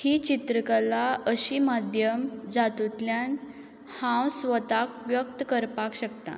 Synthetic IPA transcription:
hit͡ɕit̪ɾəkalaəɕiːmad̪ʱjəmd͡zat̪ut̪ljan | hãwsʋət̪akʋjək̚t̪kəɾpakɕəkt̪a̰

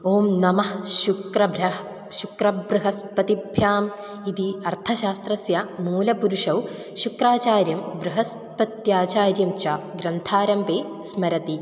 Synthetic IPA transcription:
oːmnɐmɐhʃukɾɐbʱɐ | ʃukrɐbɾɨɦɐspɐt̪ibʱjaːm | id̪iɐrt̪ʰɐʃaːst̪ɾɐsjɐmuːlɐpuɾuʂɐw | ʃukraːt͡ɕaːɾjɐmbɾɨɦɐs | pɐt̪jaːt͡ɕaːɾjɐmt͡ʃaːɡɾɐnt̪ʰaːɾɐmpeː | smɐɾɐt̪i

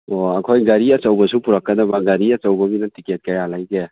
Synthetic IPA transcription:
oɐkʰojɡaɾiɐt͡ʃɐwbɐsupuɾakːɐdɐbɐɡɐɾiɐt͡ʃɐwbɐbinɐtiket̚kɐjalajɡe

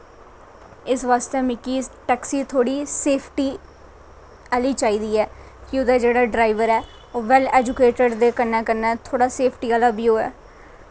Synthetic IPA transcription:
ɪsʋaːst̪eːmɪkːiːʈɛːksiːt̪ʰoːɽiːseːpʰʈiː | aliːt͡ʃaːiːd̪iːɛː | kɪʊd̪aːd͡ʒeːɽaːɖɾaːɪʋəɾɛː | ʋɛlɛːd͡ʒʊkeːʈəɖd̪eːkəɾnɛːkəɾnɛːt̪ʰoːɽaːseːpʰʈiːaːlaːbiːoːɛ̰ː

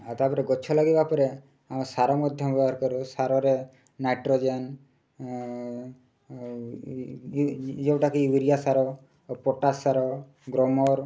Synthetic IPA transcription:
at̪apɔɾeɡɔt͡ʃʰɔlaɡibapɔɾe | amsaɾɔmɔd̪ʱjɔmbɔbaɾkɔɾosaɾɔɾe | najʈɾod͡ʒen | d͡ʒewʈakiiwiɾijasaɾɔ | pɔʈasaɾɔ | ɡɾɔmɔɾ

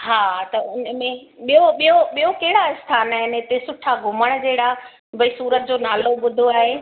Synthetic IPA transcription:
haːt̪ɐʊnəmẽɓijoɓijoɓijokɐɦɪɽaɪst̪ʰaːnaːɦɪnɪt̪esʊʈʰaɡʱʊməɽ̃d͡ʑeɦɪɽa | bɐisuːɾət̪̚d͡ʑoːnaːloɓʊd̪ʱoaːɦeː

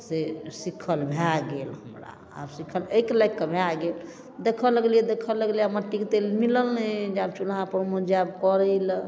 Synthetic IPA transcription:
sesikʰəlbʱeaɡelhəmɾa̰ | a̰bsikʰəlekləkkːəbʱeaɡel | d̪ekʰələɡlijɛd̪ekʰələɡlijaməʈːiket̪elmiləlnɛd͡ʒabt͡ʃulɦãpəɾmod͡ʒab̚kɔɾəl

